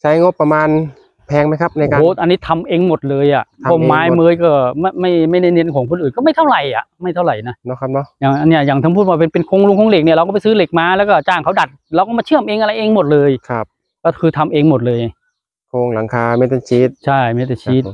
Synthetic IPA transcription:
t͡ɕʰa˦˥jŋo˦˥pːa˧maː˧n | pʰɛː˧ŋma˦˥jkʰa˦˥p̚na˧ka˧o˨˦ʔa˧nːiː˦˥t̪ʰa˧mʔeː˧ŋmo˨˩t̪̚lɤː˧jʔa˨˩ʔʰɔː˧˩˧mːaː˦˥jmɤː˧˥jkɔː˥˩ma˥˩ma˥˩jma˥˩jna˥˩jne˧˥nkʰɔː˩˦ŋkʰo˧nʔɯː˨˩nkɔː˥˩ma˥˩jt̪ʰa˥˩wɾa˨˩jʔa̰˨˩ʔma˥˩jt̪ʰɾa˨˩jna˦˥nɔ˦˥kʰa˦˥p̚nɔ˦˥jaː˨˩ŋʔa˧nːi˥˩ɐjaː˨˩t̪ʰa˧˥˩pʰuː˥˩t̪̚waː˧˩pe˧npe˧nkʰoː˧ŋlu˧ŋkʰːŋle˨˩k̚ni˧˩ɾwkɔː˥˩pa˨jsɯː˦˥le˨˩k̚maː˧lɛː˦˥wkɔː˥˩t͡ɕaː˧˩ŋkʰa˦˥wda˨˩t̪̚ɾa˧wkɔː˥˩maː˧t͡ɕʰɯ˥˩əmʔeː˧ŋʔa˧ɾa˧jʔeː˧ŋmo˨˩t̪̚lɤː˧jkʰa˧˥˩p̚ | kɔː˥˩kʰɯː˧t̪ʰa˧mʔeː˧ŋmo˨˩t̪̚lɤː˧j | kʰoː˧ŋla˩˦ŋkʰaː˧mɛ˦˥t̪a˧t͡ɕʰi˦˥t̪̚t͡ɕʰa˥˩jmɛː˦˥˩t̪ːnt͡ɕʰi˦˥t̪̚

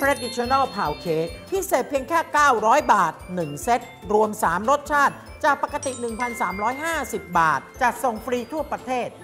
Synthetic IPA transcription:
tʰɾe˦˥t̪̚i˧˥t͡ɕʰːnɔ˥˩pʰaː˨˩wkʰeː˦˥k̚pʰiː˥˩seː˨˩t̪̚pʰi˧əŋkʰɛː˥˩kaː˥˩wɾɔː˦˥jbaː˨˩t̪̚nɯ˨˩ŋse˦˥t̪̚ɾu˧əmsaː˩˦mɾo˦˥t̪̚t͡ɕʰaː˥˩t̪̚ | t͡ɕaː˨˩k̚pa˨˩ka˧t̪i˨˩nɯ˨˩ŋpʰa˧nsaː˩˦mɾɔː˦˥jɦaː˥˩si˨˩p̚ba̰ː˨˩t̪̚t͡ɕa˨˩k̪̚so˨˩ŋfɾiː˧t̪ʰu˥˩ɐpɾa˧t̪ʰeː˥˩t̪̚

